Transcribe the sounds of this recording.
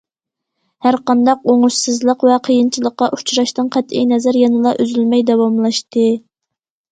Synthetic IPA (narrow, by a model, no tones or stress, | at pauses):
hæɾqɑnd̪ɑqoŋuʃsɨzlˠəqvɛqʰəjint͡ʃʰilˠəqːɑʔu̥t͡ʃʰɾɑʃt̪ɨnqʰæt̪ḭjnɛzæɾjɑnɨlˠɑʔøzylmɛjd̪ɛwɑmlˠɑʃt̪ɨ